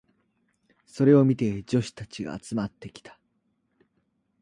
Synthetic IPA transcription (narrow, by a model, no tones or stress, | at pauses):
so̞ɾe̞o̞mʲit̪e̞d͡ʑo̞ɕi̥t̪at͡ɕiɡa̰ːt͡sɨmat̪ːe̞kʲi̥t̪ḁ